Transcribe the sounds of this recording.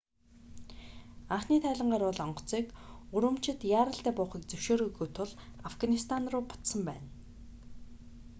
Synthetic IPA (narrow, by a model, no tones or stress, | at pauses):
aχniːt̪ʰæːɮʲɪ̆ɴɢaːɾʊɮɔɴɢɞ̥̆t͡siːkuɾwɘ̆m̥t͡ɕɪ̆t̪jaːɾə̆ɬt̪æːpʊːχiːkt͡sɵwʃoːɾuɣujt̪ʰʊɮafɡanist̪ʰanrʊːpʊ̥t̪sə̆mpæːn